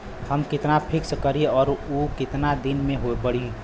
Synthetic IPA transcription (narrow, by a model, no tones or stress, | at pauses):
həmkɪt̪napʰɪkskəɾiɔːɾukɪt̪nad̪inmẽɦoepəɽi